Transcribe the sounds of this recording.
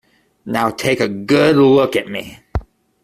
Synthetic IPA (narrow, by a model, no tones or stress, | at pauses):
naʊtʰekəɡəluəɡɛt̚mḭ